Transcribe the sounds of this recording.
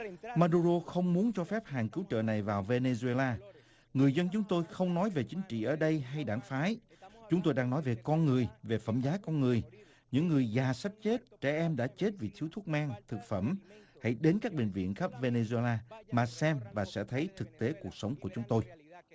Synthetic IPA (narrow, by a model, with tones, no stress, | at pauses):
maː˧ɗu˧zo˧xə˧wŋ͡mmu˨˦ənt͡ɕɔ˧fɛ˦˥p̚haː˨˩ŋkɨ˨˦wt͡ɕə̰ː˧˨na˨˩jvaː˨˩wve˧ne˧zu˧e˧laː˧ | ŋɨ˨˩əjzə˧nt͡ɕʊ˨˦ŋ͡mt̪o˧jxə˧wŋ͡mnɔ˨˦jve˨˩t͡ɕï˨˦ŋ̟t͡ɕḭ˧˨ʔəː˧˩ɗə˧jɦa˧jɗaː˧˩ŋfaː˨˦jt͡ɕʊ˨˦ŋ͡mt̪o˧jɗaː˧ŋnɔ˨˦jve˨˩kɔ˧nŋɨ˨˩əjve˨˩fə̰˧˩mzaː˨˦kɔ˧nŋɨ˨˩əj | ɲɨ̰˧˥ŋːɨ˨˩əjzaː˨˩sa˦˥p̚t͡ɕe˦˥t̚t͡ɕɛ̰˧˩ʔɛ˧mɗa̰ː˧˥t͡ɕe˦˥t̚vi˨˩t̪ʰi˨˦əwt̪ʰu˦˥k̚maː˧ŋt̪ʰɨ˨˩k̚fə˧˩mha̰˧˩jɗe˨˦nkaː˦˥k̚ɓï˧˩ŋ̟vḭ˧˨ənxə˦˥p̚ve˧ne˧zu˧e˧laː˧maː˨˩sɛ˧mvaː˨˩sɛ̰˧˥t̪ʰə˨˦jt̪ʰɨ˨˩k̚t̪e˨˦ku˨˩ək̚sə˨˦wŋ͡mku˧˩ət͡ɕʊ˨˦ŋ͡mt̪o˧j